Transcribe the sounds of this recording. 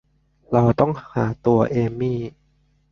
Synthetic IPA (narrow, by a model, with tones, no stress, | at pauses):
ɾa˧wt̪ɔ˥˩ŋhaː˩˦t̪u˧ɐʔeː˧miː˥˩